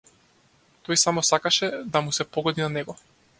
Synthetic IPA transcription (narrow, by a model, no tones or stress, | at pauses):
t̪ɔjsamɔsakaʃɛd̪amusɛpɔɡɔd̪inanɛɡɔ